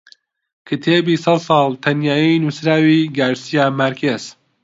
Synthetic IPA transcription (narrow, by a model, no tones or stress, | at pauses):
kʰɨt̪ʰeːbisɑlsɑːlt̪ʰɐnjaːjinusɾaːwiːɡaːɾsijaːmɐɾkʰez̥